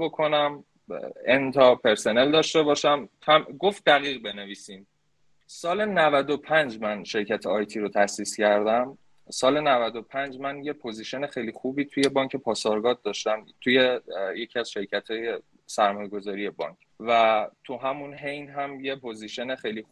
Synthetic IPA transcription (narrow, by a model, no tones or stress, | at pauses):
bokʰo̞næm | ent̪ʰɒpʰe̞ɾso̞ne̞ld̪ɒːʃt̪e̞bɒːʃæmt̪ʰæmɡo̞ft̪̚d̪æɣiːɣbe̞neviːsin | sɒːlenævæd̪opʰænd͡ʒmænʃe̞ɾcʰæt̪ʰeɒjt̪ʰiːɾot̪ʰæsiːscæɾd̪æm | sɒːle̞nævæd̪o̞pʰænd͡ʒmænje̞pʰo̞ziʃe̞nexejlixuːbiːt̪ʰuje̞bɒːŋcʰe̞pʰɒːsɒɾɡɒːd̪̚d̪ɒːʃt̪æmt̪ʰuje̞je̞cʰiæz̥ʃe̞ɾcʰæt̪ʰɒːje | sæɾmɒːjeɡo̞zɒːɾije̞bɒ̰ːŋcʰ | væt̪ʰuɦæmunɦe̞jnɦæmjepʰo̞ziʃe̞nexejli